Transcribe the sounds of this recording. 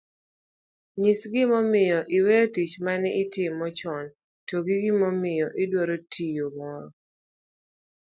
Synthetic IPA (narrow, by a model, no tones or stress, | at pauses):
ɲisɡɪmɔmɪjɔʔɪwɛtit͡ʃmanɛɪtɪmːɔt͡ʃɔn | toɡiɡɪmɔmɪjɔʔɪdwɔɾotʰijomɔɾɔ